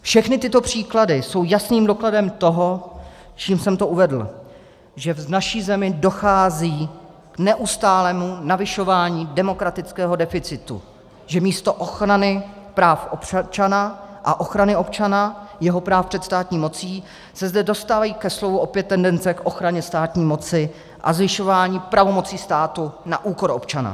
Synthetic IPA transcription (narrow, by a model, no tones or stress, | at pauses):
fʃɛxnɪt̪ɪt̪o̞pr̝̥iːkladɪso̞wjasniːmdo̞kladɛmt̪o̞ɦo̞ | t͡ʃiːmsɛmt̪o̞ʔuvɛdl̩ | ʒɛvnaʃiːzɛmɪdo̞xaːziː | knɛʔust̪aːlɛːmunavɪʃo̞vaːɲiːdɛmo̞kɾat̪ɪtt͡skɛːɦo̞dɛfɪt͡sɪt̪ṵ | ʒɛmiːst̪o̞ʔoxɾanɪ | pɾaːfʔopt͡ʃanaʔaʔo̞xɾanɪo̞p̚t͡ʃanajɛɦo̞pɾaːfpr̥ɛt̪st̪aːt̪ɲiːmo̞t͡siː | sɛzdɛdo̞st̪aːvajiːkɛslovuʔo̞pjɛt̪ːɛndɛnt͡sɛkʔo̞xɾaɲɛst̪aːt̪ɲiːmo̞t͡sɪ | ʔa̰zvɪʃo̞vaːɲiːpɾavo̞mo̞t͡siːst̪aːt̪una̰ʔuːko̞ɾʔo̞p̚t͡ʃana̰